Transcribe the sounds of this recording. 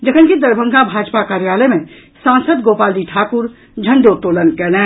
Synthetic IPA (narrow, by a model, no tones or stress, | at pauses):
d͡ʒəkʰənkid̪ɐɾbʱə̃ŋɡabʱaːd͡ʒpakaːɾjaːləmẽ | sãːnsəd̪ɡoːpaːld͡ʒiʈʰaːkʊɾ | d͡ʒʱə̃ɳɖot̪oːlənkɛːlɛ̃ː